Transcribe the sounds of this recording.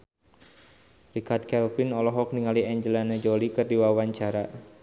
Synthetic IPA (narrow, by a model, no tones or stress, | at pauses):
rikart̪̚kɛlpɪnɔlɔɦɔk̚niŋaliɛɲd͡ʒəlaned͡ʒolikərdiwawaɲt͡ʃaɾa